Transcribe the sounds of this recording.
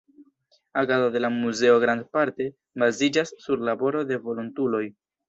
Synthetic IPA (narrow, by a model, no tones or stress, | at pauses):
aɡazode̞lamuze̞o̞ɡɾand̪paɾte̞ | bazid͡ʒasːuɾlabo̞ɾo̞de̞vo̞luntulo̞j